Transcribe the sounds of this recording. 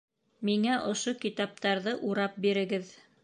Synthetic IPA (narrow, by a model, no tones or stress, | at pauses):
miŋæʔŏʃokit̪ɑp̚t̪ɑɾðɤʔuɾɑp̚biɾɘ̆ɡɘð